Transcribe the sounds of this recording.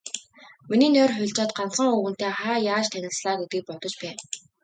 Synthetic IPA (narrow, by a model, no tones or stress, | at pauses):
miniːnœːrxʊɮt͡ɕaːt̪̚ɢansə̆ŋuːɣɘ̆n̥t̪eːχaːjaːt͡ɕt̪ʰænʲɪ̆ɮsɮaːɡet̪ɡiːk̚pɔt̪ɞ̆t͡ɕpæː